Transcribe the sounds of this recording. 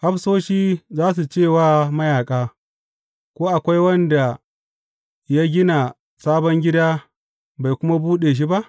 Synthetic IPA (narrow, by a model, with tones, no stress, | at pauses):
ha˦ɸsoː˦ʃiː˦zaː˦s̬u˨t͡ʃeː˦˨waː˦˨mɐ˦jaː˨kʼaː˦ | kʷoː˦ʔa˨kʷa˦jwɐ˦nda˨ | ja˦ɡʲɪ˦na˨ | saː˦bɔ˦ŋɡʲɪ˦daː˦ | ba˨jkʷʊ˦ma˦buː˦ɗeː˨ʃ̬i˦ba˦ʔ